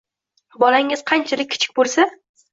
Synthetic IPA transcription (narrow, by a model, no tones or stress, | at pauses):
bɒlaŋɪz̥qʰɑnt͡ʃʰalɪk̚ʲʰːɪ̥t͡ʃʰɪ̥k̚ʲbolˠsa